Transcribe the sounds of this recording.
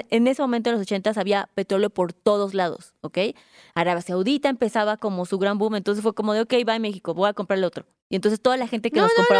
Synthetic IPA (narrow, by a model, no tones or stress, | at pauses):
ene̞semo̞mẽnt̪oelosot͡ʃe̞nt̪asaβiape̞t̪ɾo̞ljopo̞ɾt̪oð̞o̞zlaðo̞̰s | oke̞j | aɾaβjasawðit̪aempe̞saβako̞mo̞suɣɾambũment̪onsesfweko̞mo̞ðeoke̞jβaemexiko̞βo̞jakompɾaɾelot̪ɾo̞ | ient̪o̞ns̬est̪o̞ðalaxe̞nt̪ekeloskopɾa